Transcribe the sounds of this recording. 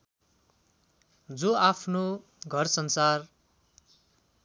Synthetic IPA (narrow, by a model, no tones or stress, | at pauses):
d͡zoapʰno | ɡʱʌrsʌnsar